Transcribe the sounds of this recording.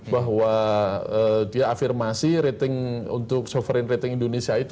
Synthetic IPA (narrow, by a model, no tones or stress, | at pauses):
baɦwaəːdiaːfirmasiɾet̪ɪŋṵnt̪ʊk̚sofɾɛnret̪ɪŋindonesiait̪